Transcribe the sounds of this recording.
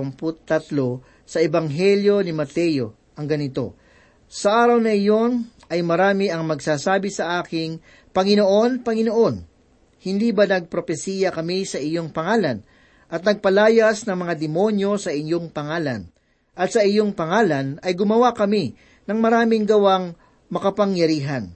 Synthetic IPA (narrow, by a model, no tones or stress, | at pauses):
mpʊt̪ːɐt̪lo̞ | sɐʔɛbɐŋɦɛljo̞nɪmɐt̪ɛjo | ʔɐŋɡɐnɪt̪o̞̰ | sɐʔaːɾɐwnɐɪjo̞nʔɐjmɐɾaːmɪʔɐŋmɐɡsaːsaːbɪsɐʔaːkɪŋ | pɐŋɪno̞ʔo̞npɐŋɪno̞ʔo̞n | hɪnd̪iːbɐnɐɡ̚pɾofɛsiːjɐkɐmisɐʔɪjo̞ŋpɐŋaːlɐn | ʔɐt̪̚nɐɡ̚pɐlaːjɐsnɐŋmɐŋad̪ɛmo̞njo̞sɐʔɪnjo̞ŋpɐŋaːlɐ̰n | ʔɐt̪̚sɐɪjo̞ŋpɐŋaːlɐnɐjɡʊmɐwakɐmi | nɐŋmɐɾaːmɪŋɡɐwaŋ | mɐkɐpɐŋjɐɾiːɦɐn